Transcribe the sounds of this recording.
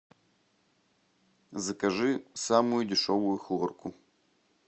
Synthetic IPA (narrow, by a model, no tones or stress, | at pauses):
zɐkɐʐɨsamujudʲɪʂovʊjuxɨʁɔrkʰʊ